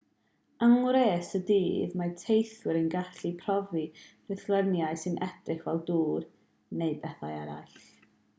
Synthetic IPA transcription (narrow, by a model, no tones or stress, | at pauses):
əŋwɾeːsədiːðmatʰejθwɪɾənɡaɬipʰrɔvirɪθlˠɛnjaɨsɨnʔɛd̥rɪχvɛlˠduːr | neɨbɛθajaɾa̰jɬ